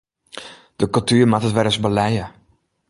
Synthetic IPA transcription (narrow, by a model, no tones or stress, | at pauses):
d̥əkɵlˠtyːrmatətʋɛɾəsbəlɛjə